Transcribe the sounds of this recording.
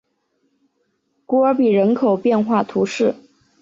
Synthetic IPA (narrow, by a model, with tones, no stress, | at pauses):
ku˧˥ə˞˧˥pi˨˩ɻə˧˥nkʰo˨˩ʊpjɛ˥˧nxwa˥˩t̪ʰu˧˥ʂɻ̩˥˩